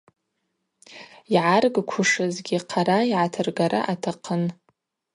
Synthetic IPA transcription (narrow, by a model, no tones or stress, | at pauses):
iʕarɡkʷʰʊʂɨzɡʲiqʰaɾaiʕatʰɨrɡaɾʔa̰ʔatʰaqʰən